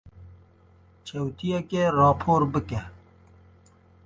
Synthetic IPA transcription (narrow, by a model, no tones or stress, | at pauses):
t͡ʃʰɐwt̪ʰijɛkeɾɑːpʰoːɾbɨkɛ